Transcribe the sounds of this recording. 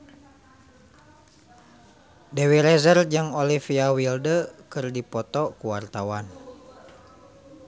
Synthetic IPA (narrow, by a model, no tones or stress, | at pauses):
dewiɾɛzərd͡ʒɨŋɔlifiawildəkɨrdipɔt̪ɔkuwart̪awan